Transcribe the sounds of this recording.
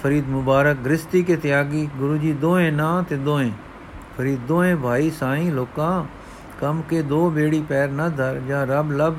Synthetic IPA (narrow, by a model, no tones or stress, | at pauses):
pʰəɾiːd̪mʊbaːɾək̚ɡɾɪst̪iːkeːt̪ɪjaːɡiːɡʊɾuːd͡ʒiːd̪oːẽːnãːt̪eːd̪õːẽː | pʰəɾiːd̪̚d̪õːẽːbʱaːiːsãːĩːloːkãː | kəmkeːd̪oːbeːɽiːpɛːɾnəd̪ʱəɾd͡ʒãːɾəbləb